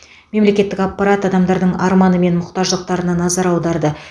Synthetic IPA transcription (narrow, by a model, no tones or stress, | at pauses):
me̞mle̞kʲe̞t̪ːɪkɑpːɑɾat̪ɑd̪ɑmd̪ɑɾd̪əɴɑɾmɑnəme̞nmʊqt̪ɑʒəlˠəq̚t̪ɑɾənɑnɑzɑɾɑwd̪ɑɾd̪ə